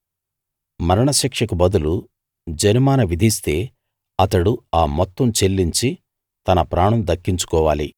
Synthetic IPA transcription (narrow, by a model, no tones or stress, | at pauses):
mɐɾɐɳɐʃikʂɐkubɐd̪ulu | d͡ʒɐnimaːnɐʋid̪ʱist̪e̞ː | ɐt̪ɐɽuaːmɔt̪ːɐmt͡ʃelːiɲt͡ʃi | t̪ɐnɐpɾaːɳɐmd̪ɐkːiɲt͡ʃu̥kɔːʋaːlḭ